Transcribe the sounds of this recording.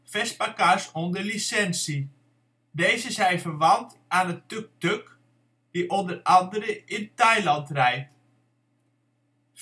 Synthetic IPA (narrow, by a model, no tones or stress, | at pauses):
fɛspakasondəlisɛnsi | deːzəzɛjfərʋɑnt | aːnətøk̚tøk | diʔondərɑndəɾəɪntajlɑntrɛjt